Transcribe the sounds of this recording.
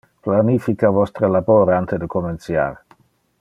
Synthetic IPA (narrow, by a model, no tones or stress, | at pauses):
planifikavɔst̪ɾəlaboɾant̪ed̪əkomensja̰ɾ